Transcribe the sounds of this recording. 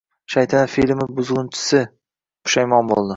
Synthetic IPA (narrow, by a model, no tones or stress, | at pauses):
ʃajt̪ʰanafilmɪbʊzʁʊnt͡ʃʰɪ̥sɪ | qʊ̥ʃajmɒnbo̰lˠd̪ɪ